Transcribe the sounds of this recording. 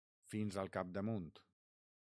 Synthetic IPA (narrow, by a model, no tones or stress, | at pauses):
finzəlˠkap̚d̪əmunt̪